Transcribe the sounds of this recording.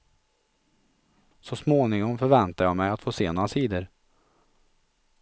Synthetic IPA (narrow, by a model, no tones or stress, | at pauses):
sɔsmoːnɪŋɔŋfœɾvɛnt̪aɾjɑmɛjat̪foːseːnoːɾasiːd̪əɾ